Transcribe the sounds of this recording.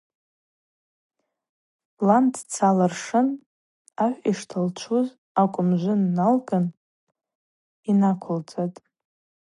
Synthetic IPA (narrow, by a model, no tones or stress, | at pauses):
landʰt͡sʰalarʂɨn | aħʷᶣiʂtʰalt͡ʃʷʰuz | akʷʼʊmʒʷʊnːalɡʼan | inakʷʰʊlt͡sʼatʼ